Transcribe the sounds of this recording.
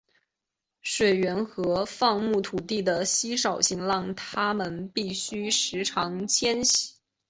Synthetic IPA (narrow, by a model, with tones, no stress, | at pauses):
ʂwe˨˩ɪɥɛ˧˥nxɤ˧˥fɑ˥˧ŋmu˥˩t̪ʰu˨˩t̪i˥˩d̪ə˩ɕi˥ʂɑ˨˩ʊɕi˥˧ŋlɑ˥˩ŋt̪ʰa˥mə˨npi˥˩ɕy˥ʂɻ̩˧˥ʈ͡ʂʰɑ˧˥ŋt͡ɕʰjɛ˥nɕi̥˨˩˦